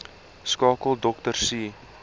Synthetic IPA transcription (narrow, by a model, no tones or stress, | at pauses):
skɑːkəlˠdɔktərsi